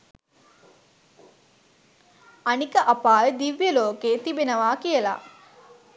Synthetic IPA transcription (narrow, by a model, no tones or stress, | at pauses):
anikəʔapaːʋəd̪iʋjəloːkeːt̪ibenəʋaːkijəla̰